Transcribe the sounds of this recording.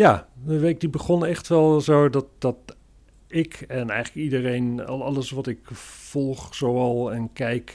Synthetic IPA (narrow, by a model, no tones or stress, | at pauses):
jaːəʋeɡ̚dibəχɔnɛχtʋɛlˠzowdɑt̚dɑt | ɪkɛnɛ̰jχələkidərejnɑ̰lɑləsʋɑtɪkfɔlˠχz̥owɑlˠɛnkɛjk